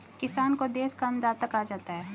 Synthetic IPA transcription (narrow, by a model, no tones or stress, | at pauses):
kɪsaːnkod̪eːskand̪aːt̪əkaːd͡ʒaːt̪aɦɛː